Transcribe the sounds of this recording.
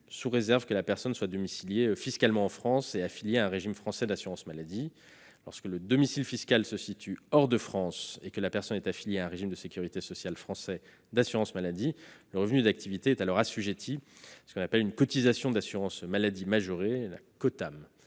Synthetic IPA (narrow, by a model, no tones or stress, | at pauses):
suʁezɛʁvkəlapɛʁsɔnswad̪ɔmisiljefiskalmɑ̃ɑ̃fχɑ̃seafiljeaɛ̃ʁeʒimfχɑ̃sɛd̪asyʁɑ̃smalad̪i | lɔ̰ʁskələd̪ɔmisilfiskalsəsit̪ʰyɔʁd̪əfχɑ̃sekəlapɛʁsɔnɛt̪afiljeaɛ̃ʁeʒimd̪əsekʲyʁit̪esɔsjalfχɑ̃sɛ | d̪asyʁɑ̃smalad̪iləʁəvnyd̪ak̚t̪ʰivit̪eɛt̪alɔʁasyʒet̪ʰisə̥kɔ̃napɛlynkɔt̪izasjɔ̃d̪asyʁɑ̃smalad̪imaʒøʁela̰kɔt̪am